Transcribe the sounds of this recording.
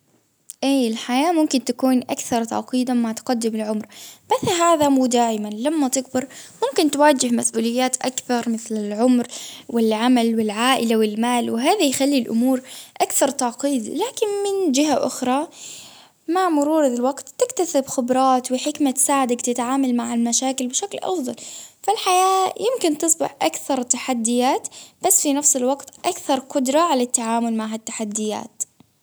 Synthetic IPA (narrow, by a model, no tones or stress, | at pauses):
ʔiːɪlħajaːmʊmkɪnt̪akuːnʔakθɑɾˤt̪ɑ̰ʕqiːd̪amaʕt̪qad̪ːɪmɪlʕʊmɾmaθɦaːðamuːd̪aːjmanlamːat̪ɪɡbɑɾˤmʊmkɪnt̪waːd͡ʒɪhmasʔuːlɪjːaːt̪ʔakθɑɾˤmɪθlɪlʕʊmɾwɪlʕamalwɪlʕaːʔɪlawɪlmaːlwɪɦaːðajxalːilʔʊ̰muːɾʔakθɑɾˤt̪ɑʕqiːd̪laːkɪnmɪnd͡ʒɪɦaʔʊ̰xɾˤɑ | maʕmʊɾuːɾðɪlwaɡt̪ːɪkt̪asɪbxʊbɾˤɑːt̪wɪħɪkmat̪ɪ̥saːʕɪd̪akt̪ɪt̪ʕaːmalmaʕalmaʃaːkɪlbɪʃaklʔɑ̰fðˤɑlfalħajaːjɪmkɪnt̪ɨsˤbɪ̰ħʔakθɑɾˤt̪aħad̪ːɪjaːt̪b̥asːfinafsɪlwɑɡt̪ʔakθɑɾˤqʊd̪ɾˤɑʕalat̪ːaʕaːmʊlmaʕɦat̪ːaħad̪ːɪja̰ːt̪